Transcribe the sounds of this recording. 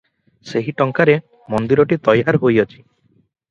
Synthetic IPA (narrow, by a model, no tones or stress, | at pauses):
seɦiʈɔŋkaɾe | mɔnd̪iɾɔʈit̪ɔjaɾɦojɔt͡ʃʰi̥